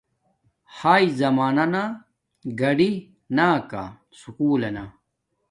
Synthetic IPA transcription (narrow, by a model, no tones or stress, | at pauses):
haːizɐmaːnɐna | ɡɐɖi | naːka̰ | sukuːlɐna